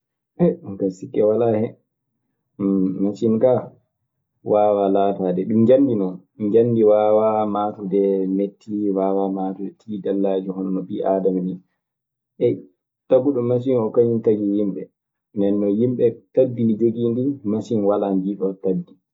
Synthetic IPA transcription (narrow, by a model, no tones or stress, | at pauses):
ʔɛuŋkasikːɛwalahɛ | masinka | waːwalaːtadɛɗumɲd͡ʒanːdinɔɲd͡ʒanːdiwaːwamaːtudɛnetʰːiwaːwamatuɛtʰiːdalːad͡ʒuhɔnɔnɔɓiʔaːdamni | ʔɛ | taɡuɗɔmas̬inɔkaɲintaɡijimɓɛ | ndɛnːɔjimɓɛtadːid͡ʒoɡiːndimasinwaland͡ʒiɗɔtadːi